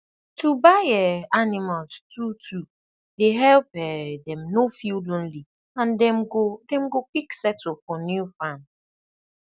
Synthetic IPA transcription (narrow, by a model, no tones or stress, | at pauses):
tubaɛanɪmalstutʰu | deɦɛlpɛdɛ̃mnofjulõnli | ãndɛmɡodɛ̃mɡokiksɛtɔfɔnjufãn